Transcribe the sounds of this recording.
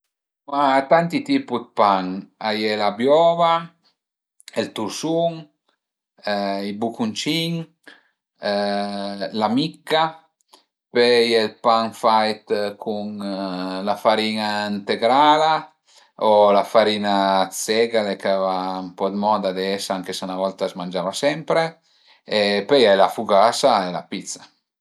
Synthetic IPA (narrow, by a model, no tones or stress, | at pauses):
mat̪ant̪it̪ipud̪̚paŋajelabjɔːva | elt̪uɾsuŋ | ibukunt͡ʃiŋ | lamikːa | pejelpaŋfajt̪kʰuŋ | lafaɾiːnaint̪eɡɾaːla | olafaɾiːnat̪sɛɡalekavampɔd̪mɔd̪ad̪eɛsaŋkesanavɔlt̪azmand͡ʒaːvasɛmpɾe | epɛjɛlafuɡasaela̰pit̪sḁ